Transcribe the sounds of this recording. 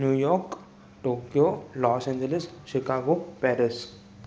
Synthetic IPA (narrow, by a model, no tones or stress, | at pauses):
njuːjɔːɾk | ʈoːkijoːlɔːsɛ̃ːɲd͡ʒəlɪsʃɪkaːɡopɛːɾɪs